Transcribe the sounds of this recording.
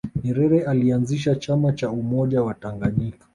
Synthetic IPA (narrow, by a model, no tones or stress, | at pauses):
ɲiɾɛɾɛalianziʃ̬at͡ʃamat͡ʃaumɔʄawataŋɡaɲikḁ